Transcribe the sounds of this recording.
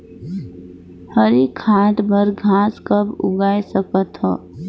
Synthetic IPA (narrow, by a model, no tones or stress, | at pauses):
həɾikʰːaːʈbəɾɡʱãːskəbʊ̰ɡaːesəkət̪ɦɔ̰ː